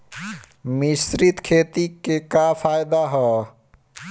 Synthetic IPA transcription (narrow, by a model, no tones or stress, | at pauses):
misɾit̪kʰeːt̪ikekafʰaːjd̪aɦɛː